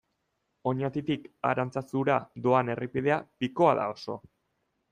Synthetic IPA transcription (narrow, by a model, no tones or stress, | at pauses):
o̞ɲat̪it̪ika̰ɾant͡sasuɾad̪o̞ane̞rʔipiðe̞apiko̞aða̰o̞so̞̰